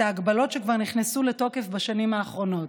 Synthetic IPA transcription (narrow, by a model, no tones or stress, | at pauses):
aaɡbalo̞tʃekvaʁniχnesuleto̞kefbaʃanimaːχʁo̞no̞t